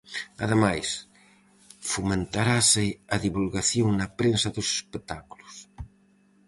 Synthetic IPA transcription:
a̰ðemajs | fumẽnt̪aɾasɪaðiβulɣaθjoŋnapɾensaðosespek̚t̪akulus

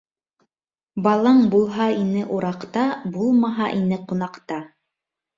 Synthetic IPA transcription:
bɑlˠɑɴbulˠɦɑinɘʔuɾɑqt̪ɑbulˠmɑɦɑʔinɘqunɑqt̪ɑ

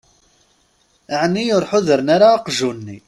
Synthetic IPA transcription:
ʕnːijʊɾˤħʊðəɾnaɾaːqʒunːi

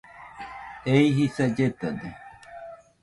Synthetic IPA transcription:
eihisad͡ʒet̪ad̪e

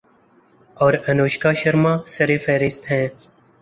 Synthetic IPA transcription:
ɔːɾɐnoːʃkaːʃɐɾmãːsɐɾeːfɛːɾɪst̪ɦɛ̃ː

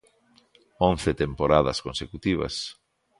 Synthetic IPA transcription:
õnθet̪empoɾaðɐskõnsekut̪iβ̞ɐ̰s

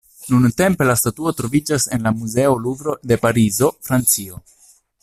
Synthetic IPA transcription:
nunte̞mpe̞lastatuo̞tɾo̞vid͡ʒase̞nlamuze̞o̞lubɾo̞de̞paɾizo̞fɾant͡sio̞

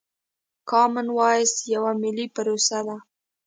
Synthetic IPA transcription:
kɑmɪnwɑjəsjawamɪlipaɾosad̪a

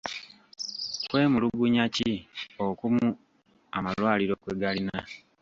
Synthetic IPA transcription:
kwe̞ːmuluɡuɲaciokumu | amalwaːliɾo̞kweɡalina

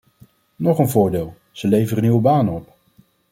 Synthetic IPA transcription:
nɔχənvʊːɹdeːlˠ | z̥əlejvərəniwəbaːnəɔp

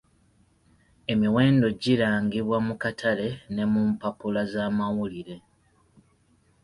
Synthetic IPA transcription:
e̞miwe̞ːndo̞ɟiɾaːŋɡiβwamukatʰale̞ne̞mumpapulazaːmawuliɾe̞

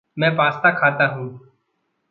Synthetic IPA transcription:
mɛ̃ːpaːst̪akʰaːt̪aɦũː

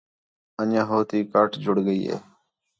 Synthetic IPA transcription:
ənãːɦoːt̪iːkaːʈd͡ʒʱʊɽɡəiːɦḛː

